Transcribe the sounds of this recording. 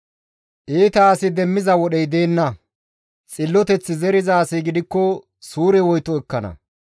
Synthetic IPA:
ʔiːt̪ɐːsɪd̪ɛmːɪzɐwɔɗɛjd̪e̞ːnːɐ | t͡sʼɪlːɔt̪ɛt͡sːɪzɛɾɪzaːsɛjɡɪd̪ɪkːɔ | suːɾɛwɔjt̪ɔɛkːɐnɐ̰

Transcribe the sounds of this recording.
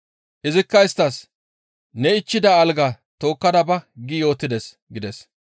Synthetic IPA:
ʔɪzɪkːɐɪst̪ːɐs | nɛɪt͡ʃːɪd̪ɐːlɡɐ | t̪o̞ːkːɐd̪ɐbɐɡɪjo̞ːt̪ːɪd̪ɛs | ɡɪd̪ɛs

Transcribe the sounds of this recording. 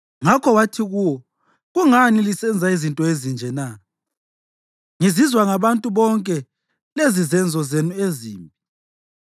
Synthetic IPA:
ŋakʰɔwatʰiɣuwɔ | ɣuŋanilisɛnd͡zʱaizintʼɔezind͡ʒʱɛna | ŋizizwaŋaβantʼuβɔŋkʼɛ | lezizɛnd͡zʱɔzenueziːmpʼi

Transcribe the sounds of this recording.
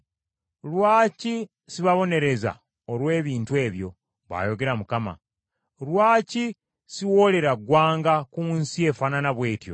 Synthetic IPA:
lwaːci | siβaβo̞ne̞ɾe̞za̰ | olwe̞ːβiːntuwe̞ːβjo̞̰ | βa̰ːjo̞ɡe̞ɾamukama̰ | lwaːci | siwo̞le̞ɾaɡwaːŋɡakuːnsie̞fananaβwe̞ːtjo̞̰

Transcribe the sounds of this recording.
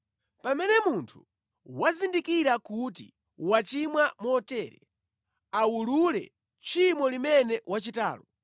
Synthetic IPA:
pamɛnɛmuntʰu̥ | wazindikiɾakutḭ | wat͡ʃimwamɔtɛːɾɛ̰ | awululɛ̰ | t͡ʃʰimɔlimɛnɛwat͡ʃita̰ːlɔ

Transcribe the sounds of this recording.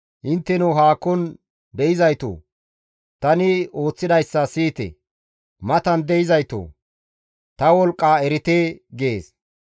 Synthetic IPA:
ʔɪnt̪ːɛnuɦaːkːɔn | d̪ɛjɪzɐjt̪o̰ː | t̪ɐnɪo̞ːt͡sːɪd̪ɐjsːɐsiːt̪ɛ̰ | mɐt̪ɐnd̪ɛjɪzɐjt̪o̰ː | t̪ɐwɔlkʼːaːɛɾɪt̪eːɡeːs

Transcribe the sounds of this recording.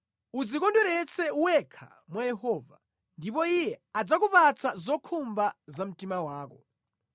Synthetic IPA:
ud͡zikɔndɛɾɛt͡sʰɛuwɛkʰa̰ | mwajɛhɔːva̰ | ndipɔijɛad͡zakupat͡sʰazɔkʰumbazam̩timawaːkɔ

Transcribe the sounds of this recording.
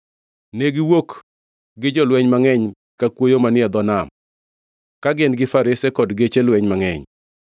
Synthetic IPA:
neɡɪwok | ɡɪd͡ʒɔlwɛɲmaŋɛɲ | kakwojomanɪɛd̪ɔnam | kaɡɪnɡɪfaɾɪsɛkɔdɡet͡ʃelwɛɲmaŋɛ̰ɲ

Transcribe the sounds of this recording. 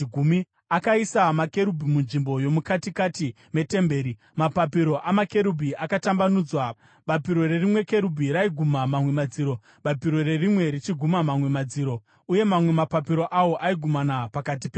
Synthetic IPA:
ɡʱumi | akaisamake̞ɾubʱimunʐimbo̞jo̞mukatikati | me̞te̞mbe̞ːɾi | mapapiɾo̞ʔamake̞ɾubʱiʔakatambanuːd͡zwa | ɓapiɾo̞re̞rimwe̞ke̞ɾubʱiɾaiɡʱumamamwe̞mad͡ziːɾo̞ | ɓapiɾo̞rerimwe̞ɾit͡ʃiɡʱumamamwe̞mad͡ziːɾo̞ | uje̞mamwe̞mapapiɾo̞ʔawo̞ʔaiɡʱumanapakat̬ipe

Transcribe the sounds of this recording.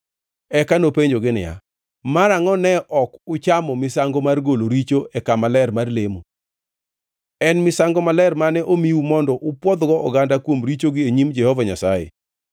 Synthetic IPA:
ɛkanopeɲd͡ʒoɡɪnɪ̰ja̰ | maɾaŋɔnɛʔɔkʊt͡ʃamɔmɪsaŋɡomarɡoloɾit͡ʃoɛkamalɛrmarlemu | ɛnmɪsaŋɡɔmalɛrmanɛʔomiumɔndɔʔʊpwɔd̪ɡɔʔɔ̰ɡandakwomɾit͡ʃoɡɪeɲimd͡ʒɛhɔvaɲasajḛ

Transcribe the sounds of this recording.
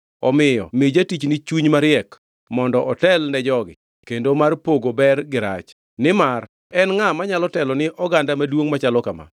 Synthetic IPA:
ɔmɪjɔ̰mid͡ʒatit͡ʃnɪt͡ʃuɲmaɾɪɛk | mɔndɔʔɔtɛlnɛd͡ʒɔɡɪ̰ | kendomarpoɡobɛrɡɪɾa̰t͡ʃ | nɪmar | ɛnŋamaɲalɔtɛlɔnɪʔɔɡandamadwoŋmat͡ʃalɔkama̰

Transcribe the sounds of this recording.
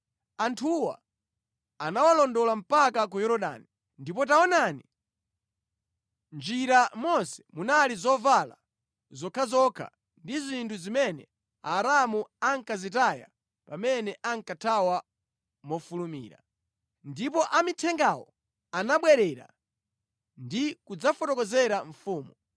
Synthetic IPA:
antʰuwa̰ | anawalɔndɔlam̩pakak̬ujɔɾɔɗa̰ni | ndipɔt̬aɔnani | nd͡ʒiɾamɔnsɛ̥munalizɔvala̰ | zɔkʰazɔkʰa̰ | ndizintʰuzimɛnɛ̰ | aːɾamuaŋkazitaja̰ | pamɛnɛʔaŋkatʰawa | mɔfulumḭːɾa | ndip̬ɔʔamitʰɛŋɡawɔ̰ | anaɓwɛɾɛɾa̰ | ndikud͡zafɔtɔkɔzɛɾaɱfuːmu

